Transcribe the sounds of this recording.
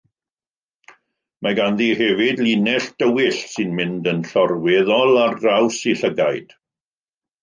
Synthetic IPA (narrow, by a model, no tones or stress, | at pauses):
maɡanðihɛvɪdlinɛɬd̥əwɪɬsɪnmɪndənɬɔrwɛðɔlˠarrawsiɬəɡajd̥